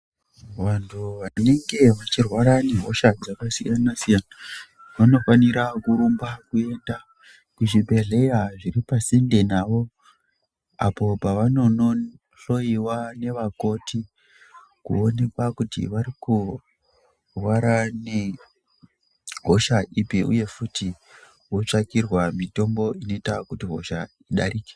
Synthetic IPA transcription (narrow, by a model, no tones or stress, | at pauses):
ʋantʰuʋane̞ŋɡe̞ʋat͡ʃirwaɾane̞ɦo̞̰ʃad͡zakasijanasijana | ʋano̞faniɾakuɾumbakue̞nda | kuʐibʱe̞ɮe̞jaʐiripasendenaʋo̞ | a̰po̞paʋano̞no | ɬo̞iwane̞ʋako̞tʰi | kṵo̞ne̞kwakutḭʋaɾiku | rwaɾane | ɦo̞ʃaʔipiʔṵje̞futi | wo̞t͡ʂakirwamito̞mbo̞ino̞itakutiɦo̞̰ʃa | iɗa̰ɾiːke̥